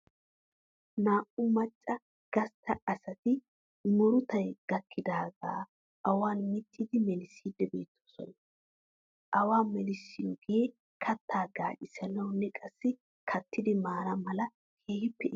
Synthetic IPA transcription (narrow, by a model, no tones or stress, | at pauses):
naːʔʊmɐt͡ʃʼːɐ | ɡ̥ɐst̪ʰːɐɐsɐt̪ɪ | mɔɾʊt̪ɐjɡ̥ɐkʰːɪd̪aːɡa̰ː | ʔɐwaːnmɪt͡ʃʼːɪd̪ɪmɛlɪsiːd̪ːɛbe̞̰ːt̪ʰːoːsɔ̰nɐ | ʔɐwaːmɛlɪsːɪjɔɡɛjeː | kʰɐt̪ːaːɡaːʔɪsɐnɐwnːɛkʼɐsːɪ | kʰɐt̪ːɪd̪ɪmaːɾɐmɐlɐ | kʰeːhɪpːɛʔɪ